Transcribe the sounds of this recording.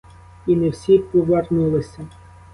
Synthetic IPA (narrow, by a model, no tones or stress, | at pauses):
inewsʲipɔʋɐrnulˠɪsʲɐ